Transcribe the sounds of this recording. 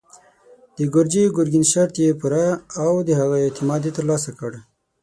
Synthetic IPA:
d̪̥əɡʊɾd͡ʒeɡʊɾɡinʃaɾt̪jepuɾaːwd̪əɦaɣaɪt̪ɪmɑd̪et̪əɾlɑs̬akəɽ

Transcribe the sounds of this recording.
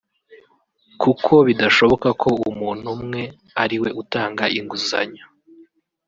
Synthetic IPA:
kukʰo̞βidaʃo̞βo̞kakʰo̞umuːn̥humŋe̞ | aɾiwe̞ʔutaːŋɡaʔiŋɡuza̰ɲo

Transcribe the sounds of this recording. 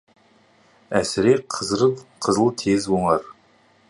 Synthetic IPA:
æsɪɾeqʰəzɾəqʰəzəlˠt̪ʰezwoɴɑɾ

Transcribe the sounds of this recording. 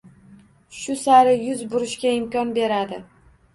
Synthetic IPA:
ʃʊsaɾɪjʊzbʊɾɪʃkʲaɪmkʲɒnbe̞ɾad̪ɪ

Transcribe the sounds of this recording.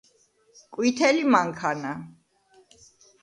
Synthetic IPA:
kʼwit̪ʰɛlimaŋkʰana

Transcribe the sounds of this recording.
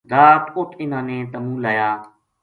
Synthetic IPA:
ɾaːt̪ʊʈʰɪnãːnẽːt̪əmũːlaːjaː

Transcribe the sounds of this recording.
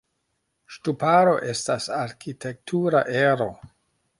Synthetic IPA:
ʃtupaɾo̞̰ʔe̞stasaɾkitʰe̞k̚tʰuɾa̰ʔeɾo̞

